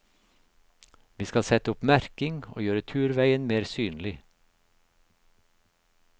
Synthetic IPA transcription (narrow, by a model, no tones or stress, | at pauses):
ʋiːskɑlsɛt̪əʊpmæɾkɪŋo̰ːjøːɾət̪ʰʉːɾʋæɪənmeːɾsyːnlɪ